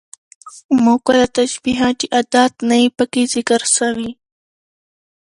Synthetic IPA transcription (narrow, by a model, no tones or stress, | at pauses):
mokalat̪aʃbiɦɑt̪iʔad̪ɑt̪naipəkezɪkəɾsawi